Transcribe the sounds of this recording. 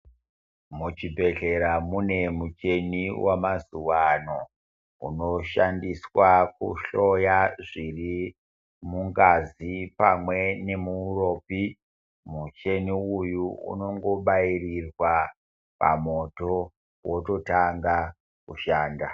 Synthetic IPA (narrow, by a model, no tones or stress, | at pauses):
mut͡ʃibʱe̞ɮe̞ɾamune̞mut͡ʃe̞niwamazuʋano̞ | ṵno̞ʃandiswakṵʃo̞jaʐiri | muŋɡazipamwe̞ne̞muːro̞ːpi | mut͡ʃe̞niujuṵno̞ŋɡo̞ɓairirwa | pa̰mo̞to | woto̞taŋɡa | kuʃaːnda